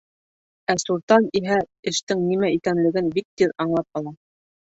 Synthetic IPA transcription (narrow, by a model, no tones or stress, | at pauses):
æsuɾt̪ɑniɦæɘ̆ʃt̪ɘŋnimæikænlɘ̆ɡɘnbik̚t̪iðɑɴlˠɑp̚ɑlˠɑ